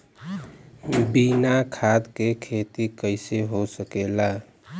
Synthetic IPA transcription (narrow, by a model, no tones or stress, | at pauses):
binakʰad̪kekʰet̪ikəɪseɦosəkela